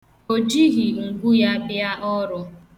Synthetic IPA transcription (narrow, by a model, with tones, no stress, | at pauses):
o˨d͡ʒi˦ɣi˨ŋ̩˨ɡu˦ja˦bɪ˦a˦ʔɔ˦ɾɔ˨